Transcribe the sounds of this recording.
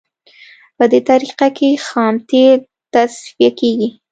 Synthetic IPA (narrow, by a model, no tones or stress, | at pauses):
pəd̪et̪aɾiqakexɑmt̪e | t̪asfijakeɡi